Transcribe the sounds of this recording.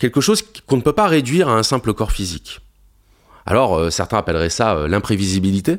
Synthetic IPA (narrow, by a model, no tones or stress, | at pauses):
kʲɛlkəʃozkɔ̃nəpøpaʁed̪ɥiʁaɛ̃sɛ̃pləkɔʁfizik | a̰lɔʁøsɛʁt̪ɛ̃apɛlʁɛsaø̰lɛ̃pχevizibilit̪e